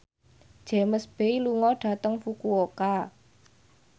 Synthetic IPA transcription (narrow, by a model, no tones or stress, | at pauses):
d̥ʒ̥e̤məsb̥eiluŋɔɖ̥ä̤t̪əŋfukuoka